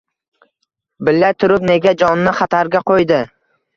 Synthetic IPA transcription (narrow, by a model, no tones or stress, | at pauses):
bɪlːat̪ʰʊɾʊpne̞ɡʲad͡ʒɒnːɪχɑt̪ʰaɾɡʲaqojd̪ɪ